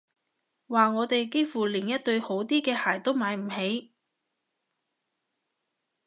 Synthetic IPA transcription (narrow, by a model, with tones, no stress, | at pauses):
waː˨ŋɔː˨˧t̪e˨jke˥jfuː˨˩liː˨˩njɐ˥t̚t̪ɵ˧ɥho˨˥wt̪iː˥kɛː˧haː˨˩jt̪o˥wmaː˨˧jm̩˨˩he˨˥j